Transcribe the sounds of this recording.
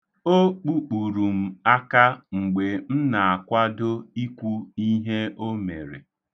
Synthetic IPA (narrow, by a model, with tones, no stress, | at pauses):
o˦k͡pu˦k͡pu˨ɾu˨m̩˨a˦ka˦ŋ͡m̩˨ɡ͡be˨n̩˦na˨a˨kʷa˦do˦i˦kʷu˦i˦ɦe˦o˦me˨ɾe˨